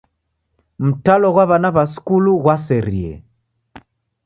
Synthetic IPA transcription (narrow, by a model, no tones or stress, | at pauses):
m̩talɔɣwaβanaβasi̥kuluɣwasɛɾiɛ̰